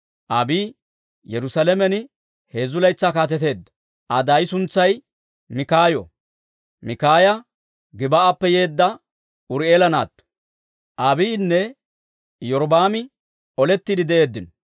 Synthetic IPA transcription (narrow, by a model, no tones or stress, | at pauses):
ʔɐbiː | jɛɾʊsɐlɛmɛnɪ | he̞ːzʊlɐjt͡sːakaːt̪̬ɛt̪e̞ːd̪ːɐ̥ | ʔɐd̪ɐjɪsʊnt͡sːɐj | mɪkaːjɔ̰ | mɪkaːjɐ | ɡɪbɐʔapːɛje̞ːd̪ːɐ | ʔʊɾeːlɐna̰ːt̪ːɔ̥ | ʔɐbiːnːɛ | jɔɾbaːmɪ | ɔlɛt̪ːid̪ɪd̪ɛʔe̞ːd̪ːɪnɔ